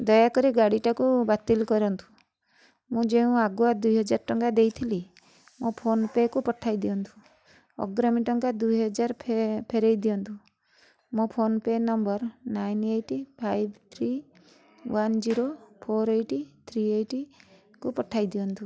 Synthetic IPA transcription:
d̪ɔjakɔɾiɡaɽiʈakubat̪ilkɔɾɔnt̪u̥ | mũd͡ʒeũaɡuad̪ujɦɔd͡ʒaɾʈɔŋkad̪ejt̪ʰili | mɔ̃pʰonpekupɔʈʰajd̪iɔnt̪ʰu̥ | ɔ̰ɡɾɔmiʈɔŋkad̪ujɦɔd͡ʒaɾpʰpʰeɾejd̪ijɔnt̪u | mɔ̃pʰonpenɔmbɔɾnajneʈipʰajbt̪ʰɾi | wand͡ʒiɾopʰoɾejʈit̪ʰɾiejʈi | kupɔʈʰajd̪iɔnt̪u

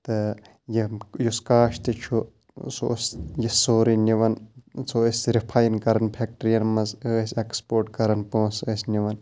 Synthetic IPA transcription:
t̪ɨ | jijuskaːʃt̪it͡ʃʰu | so̰sjisoːɾiniʋɐnt͡sʰoəsʲɾipʰajnkɐɾɐnpʰek̚ʈɾijɐnmɐzəːsʲekspoːɾʈkɐɾɐnpõːsəːsʲnʲiʋɐn

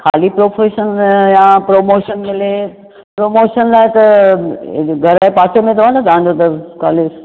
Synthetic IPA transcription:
kʰa̰ːlipɾoːfʰeːʃənjãːpɾoːmoːʃənmɪle | pɾoːmoːʃənlaːɪt̪ɐ̰ | ɡʱɐɾaːepaːt͡ɕʰomẽt̪ɐʋ̤ãnɐt̪ɐʋ̤ãːɲd͡ʑot̪ɐka̰ːles

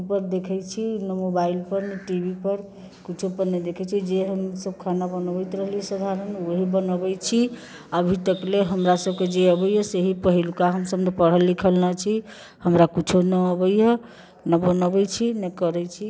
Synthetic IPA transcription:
pəɾd̪ekʰɛt͡ʃʰinəmobailpəɾneʈibʱipəɾ | kit͡ʃʰupəɾned̪ekʰɛt͡ʃʰid͡ʒeɦəmsəb̚kʰanabənəbɛjt̪ɾəɦliəsad̪ʱaɾənoɦibənəbɛt͡ʃʰi | əbʱit̪əkleɦəmɾasəb̚ked͡ʒeəbəjəseɦipəɦilkaɦəmsəbnepəɽ̤ɦəlːikʰəlnət͡ʃʰi | həmɾakut͡ʃʰonəːbəjə | nəbənəbɛt͡ʃʰinəkəɾɛt͡ʃʰi

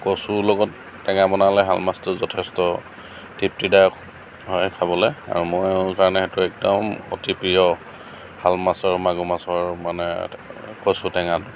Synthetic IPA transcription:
kosulɔɡɔtː | ɛŋabɔnalɛɦa̰lmastʊzɔtʰɛstɔ | tip̚tidak | ɦɔjkʰabɔlɛa̰ɹumɔjkaɹɔnɛxɛtʊɛk̚dɔmo̰tipiɔ | halmasɔɹmaɡumasɔɹmanɛ̰kosutɛŋatʊ

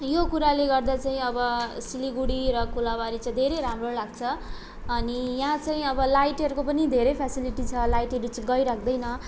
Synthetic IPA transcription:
jokuɾaleɡʌrd̪at͡saĩʌbʌsiliɡuɽiɾʌkulabaɾit͡saĩd̪ʱeɾejɾamrolaɡt͡sʰʌ | ʌnijãt͡saĩʌbʌlajʈʌɾukopʌnid̪ʱeɾʌjpʰasiliʈit͡sʰʌlajʈʌɾut͡sʌɡʌjɾakʰd̪ʌjnʌ

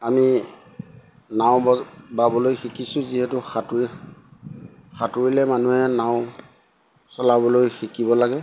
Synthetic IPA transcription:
ami | naʊ̃bɔbabɔlojxikisʊ̃ziɦɛtʊxatɹi | xatuɹilɛmanuhɛnaʊ̃ | sɔlabɔlojxikibɔlaɡɛ

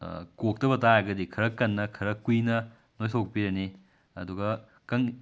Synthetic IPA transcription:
kok̚tɐbɐtajɐɡɐdikʰɐɾɐkːɐnːɐkʰɐɾɐkːujnɐ | nojsʰok̚piɾɐni | ɐ̰duɡɐ | kɐŋ

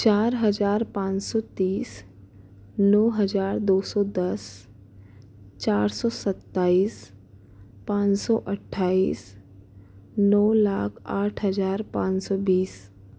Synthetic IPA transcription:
t͡ʃaːɾɦəd͡ʒaːɾpãːt͡ʃsɔt̪iːs | nɔːɦɐzaːɾd̪oːsɔːd̪əs | t͡ʃaːɾsɔːsət̪ːaːiːs | pãːt͡ʃsɔ̰ːʔəʈʰːaːiːs | nɔːlaːkʰaːʈʰɦəzaːɾpã̰ːɲsɔːbiːs

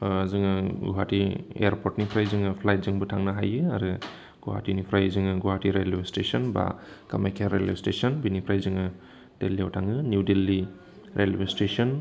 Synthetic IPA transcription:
zɯŋɯɡṵɦatiḛjaɾpʰoɾtnipʰɾajzɯŋɯpʰlajt̚zɯŋbɯtʰaŋnaɦa̰jɯaɾɯ | ɡ̥uɦa̰tinipʰɾajzɯŋɯɡuɦatiɾelestesɔnba̰kamajkʰeɾelestesɔnbinipʰɾajzɯŋɯ | teliawtʰaŋɯnjudelːi | ɾʔelbestesɔn

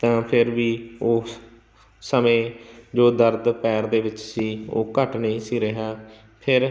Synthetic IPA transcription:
t̪ãːpʰɪɾʋiːoː | səmẽːd͡ʒoːd̪əɾd̪pɛːɾd̪eːʋɪt͡ʃsiːo̰ːkəʈneːsiːɾɪɦaː | pʰɪɾ

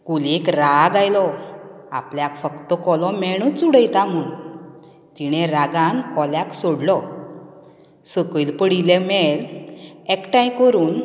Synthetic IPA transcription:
kulekɾaɡajlɔ | apljakfəkt̪ɔkɔlɔmɛɽ̃ut͡suɽəjt̪amun | t̪iɽ̃ɛɾaɡãnkɔljaksoɽlɔ | səkilpəɽilɛmɛlɛkʈãj̃kəɾuːn

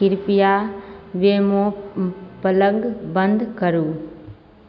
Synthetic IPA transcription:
ɪɾpijaʋeːmo | pɐləŋɡbə̃nd̪kəɾuː

